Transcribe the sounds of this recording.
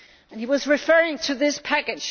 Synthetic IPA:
ɨ̃niwʌzɹɨfɜ˞ɪ̃ŋtʰɨðɪspʰækɨd̥

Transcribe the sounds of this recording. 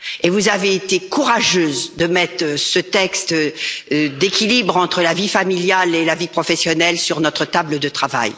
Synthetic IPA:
evuzaveːt̪ekuʁaʒøzd̪əmɛt̪χsət̪ɛkst̪ | d̪ekʲilibʁɑ̃t̪χəlavifamiljalelavipχɔfɛsjɔnɛlsyʁnɔt̪χət̪abləd̪ət̪χava̰j

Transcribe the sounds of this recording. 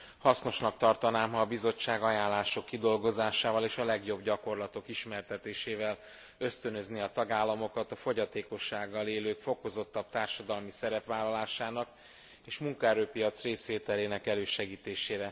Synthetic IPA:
hɒsno̞ʃnɒk̚t̪ɒrt̪ɒnaːmɦɒːbizo̞t͡ʃːaːɡɒjaːllːaːʃo̞kːid̪o̞lɡo̞zaːʃaːvɒleːʃɒlɛɡjo̞bɟɒko̞rlɒt̪o̞kiʃmɛrt̪ɛt̪eːʃeːvɛl | ø̞st̪ø̞nø̞zniɒt̪ɒɡaːlːɒmo̞kɒt̪ɒfo̞ɟɒt̪eːko̞ʃːaːɡːɒleːløːkfo̞ko̞zo̞t̪ːɒp̚t̪aːrʃɒd̪ɒlmisɛɾɛpʋaːlːɒlaːʃaːnɒk | eːʃmuŋkɒɛɾøːpijɒt̪sreːsʋeːt̪ɛleːnɛkɛløːʃɛɡiːt̪eːʃeːɾɛ

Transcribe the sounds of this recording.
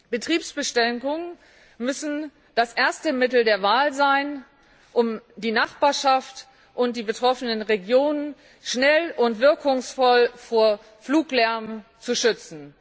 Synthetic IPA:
b̥ətʁ̥iːpsb̥əʃtɛŋkʊŋən | mʏsn̩ | d̥asʔeːɐstəmɪtl̩deːɐvaːlzaɪn | ʔʊmdiːnaχb̥aːɐʃaft | ʔʊnt̚d̥iːbətʁ̥ɔfənənʁeɡjoːnən | ʃnɛlʊntv̥ɪɐkʊŋsfɔlfoːɐ | fluːklɛɐmt͡suʃʏt͡sn̩

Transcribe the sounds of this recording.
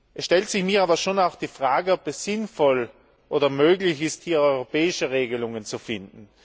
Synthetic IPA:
ʔɛsʃtɛltsɪçmiːɐaːbɐʃoːnaʊxd̥iːfʁaːɡəɔpɛsɪnfɔl | ʔoːdɐmøːɡlɪçɪsthiːɐɔʏʁopɛːɪʃəʁeːɡəlʊŋənt͡sufɪndn̩

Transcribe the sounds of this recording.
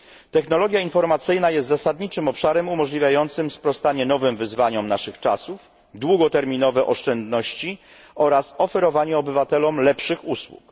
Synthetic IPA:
t̪ɛxnɔlɔɡʲjainfɔɾmat̪sɘjnajɛst̪zasad̪ɲit͡ʂɘmɔpʂaɾɛmumɔʐlʲivʲjajɔnt̪sɘmspɾɔst̪aɲɛn̪ɔvɘmvɘzvaɲɔmnaʂɘxt͡ʂa̰suf | d̪wuɡɔt̪ɛɾmʲinɔvɛʔɔʂt͡ʂɛnd̪nɔɕt͡ɕi | ɔɾasɔfɛɾɔvaɲɛɔbɘvat̪ɛlɔmlɛpʂɘxuswṵk

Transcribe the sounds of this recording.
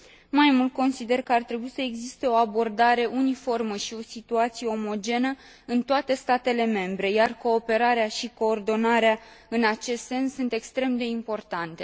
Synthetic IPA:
majmult̪̚ko̞nsid̪e̞rkəart̪ɾe̞buisəeɡzist̪e̞o̞abo̞rd̪aɾe̞ʔunifo̞rməʃio̞sit̪uat̪sije̞o̞mo̞d͡ʒe̞nə | ɨnt̪oat̪e̞st̪at̪e̞le̞me̞mbɾe̞jarko̞ːpe̞ɾaɾeaʃiko̞ːrd̪o̞naɾeaɨnat͡ʃe̞st̪se̞nsːunt̪e̞kst̪ɾe̞md̪e̞impo̞rt̪ant̪e̞

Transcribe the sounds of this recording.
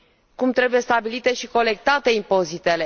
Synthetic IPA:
kumt̪ɾe̞buje̞st̪abilit̪e̞ʃiko̞le̞k̚t̪at̪e̞impo̞zit̪e̞le

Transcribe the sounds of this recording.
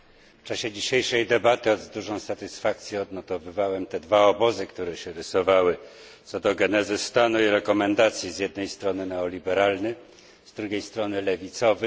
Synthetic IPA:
ft͡ʂaɕɛd͡ʑiɕejʂɛjd̪ɛbat̪ɘɔd̪zd̪uʐɔ̃w̃sat̪ɘsfak̚t̪sʲjɛɔd̪nɔt̪ɔvɘvawɛmt̪ɛd̪vaɔbɔzɘkt̪uɾɛɕɛɾɘsɔvawɘ | t̪sɔd̪ɔɡɛnɛzɘst̪anuiɾɛkɔmɛnd̪at̪sʲjizʲjɛd̪̚nɛjst̪ɾɔnɘnɛɔlʲibɛɾalnɘ | zd̪ɾuɡʲejst̪ɾɔnɘlɛvʲit̪sɔvɘ

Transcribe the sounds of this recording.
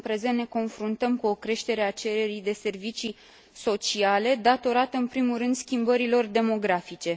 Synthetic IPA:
pɾezenne̞ko̞nfɾunt̪əmkuo̞kɾe̞ʃt̪e̞ɾe̞at͡ʃe̞ɾe̞ɾijd̪e̞se̞rvit͡ʃi | so̞t͡ʃiale̞d̪at̪o̞ɾat̪əɨnpɾimurɨnd̪skʲimbəɾilo̞rd̪e̞mo̞ɡɾafit͡ʃe̞

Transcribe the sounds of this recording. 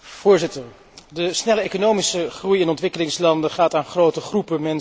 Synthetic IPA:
v̥ʊːɹzɪtəɹ | dəsnɛləejkonowmisəχrujɪnɔntʋɪkəlɪŋslɑndəχaːtaːnχrowtəχrupəmɛn

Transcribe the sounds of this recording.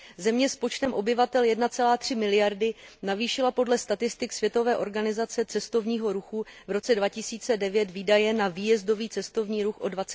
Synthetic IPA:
zɛmɲɛspo̞t͡ʃt̪ɛmʔo̞bɪvat̪ɛljɛdnat͡sɛlaːt̪r̝̥ɪmɪlɪjaɾdɪnaviːʃɪlapo̞dlɛst̪at̪ɪst̪ɪksvjɛt̪o̞vɛːʔo̞ɾɡanɪzat͡sɛt͡sɛst̪o̞vɲiːɦo̞ɾuxuvɾo̞t͡sɛdvacɪsiːt͡sɛdɛvjɛt̪viːdajɛnaviːjɛzdo̞viːt͡sɛst̪o̞vɲiːɾuxʔo̞dvat͡sɛ

